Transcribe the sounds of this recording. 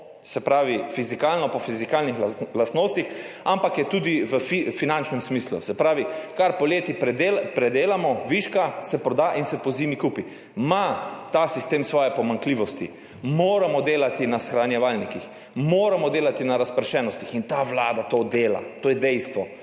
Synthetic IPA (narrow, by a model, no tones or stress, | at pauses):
sɛpɾaːʋifizikaːlnɔpɔfizikaːlnixlast̪noːst̪ix | ampakjɛt̪uːd̪iʋəfifinant͡ʃnɛmsmiːslṵsɛpɾaːʋikaɾpɔleːt̪ipɾɛd̪epɾɛd̪eːlamɔʋiʃkasɛpɾɔd̪aːʔinsɛpɔziːmikuːpi | mat̪aːsist̪eːmsʋɔːjɛpɔmaŋkliːʋɔst̪ḭ | moːɾamɔd̪eːlat̪inasxɾanjɛʋalnikix | moːɾamɔd̪eːlat̪inaɾaspɾɛʃɛːnɔst̪ixint̪aʋlaːd̪at̪oːd̪eːla̰t̪oːjɛd̪ɛjst̪ʋɔ